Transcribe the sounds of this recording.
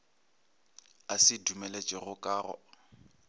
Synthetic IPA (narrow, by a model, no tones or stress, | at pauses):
asɪdumelet͡ʃʼɛɣʊkʼaːrɔ̰